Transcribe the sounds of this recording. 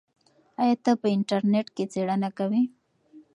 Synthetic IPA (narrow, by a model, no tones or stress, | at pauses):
ajat̪apəɪɳʈaɾneʈket͡seɽanakawi